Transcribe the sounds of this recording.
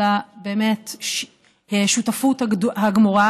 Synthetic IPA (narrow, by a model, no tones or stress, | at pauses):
abeːmetʃ | eʃutafuthahaɡmoʁa